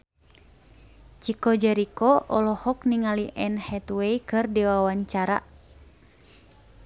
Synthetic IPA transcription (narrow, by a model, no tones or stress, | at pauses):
t͡ʃikɔd͡ʒɛɾikɔʔɔlɔhɔkniŋaliʔɛnhɛt̪weikɨrdiwawaɲt͡ʃaɾa̰